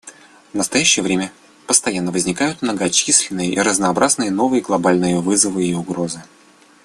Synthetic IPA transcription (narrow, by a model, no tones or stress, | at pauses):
vnəst̪ɐjæɕːɪjəvɾʲemʲə | pəst̪ɐjanːəvəzʲnʲɪkajʊt̪mnəɡɐt͡ɕisʲlʲɪnːɨjəʔiɾəznɐːbɾʔaznɨjəno̞vɨjəɡlˠɐbalʲnɨjəvɨzəvɨiʊɡɾo̞zɨ